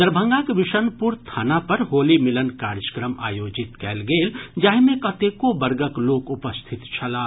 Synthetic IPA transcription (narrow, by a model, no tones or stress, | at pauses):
d̪əɾbʱə̃ŋɡakʋɪʃənpuɾt̪ʰaːnapɐɾɦoːlimɪlənkaːɾd͡ʒəkɾəma̰ːjoːd͡ʒɪt̪kɛːlɡeːld͡ʒaːɦmẽkɐt̪ekobəɾɡəkloːkʊpəst̪ʰɪt̪t͡ʃʰɐlaː